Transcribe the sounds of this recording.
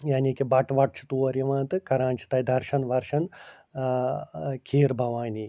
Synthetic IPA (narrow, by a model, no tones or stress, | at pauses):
jaːniːkibɐʈʋɐʈ̚t͡ʃʰi̥t̪uːɐɾiʋãːnt̪ɨkɐɾãːnt͡ʃʰi̥t̪ɐjd̪ʱɐɾʃɐnʋɐɾʃɐn | kʰiːɾbʱɐʋaːni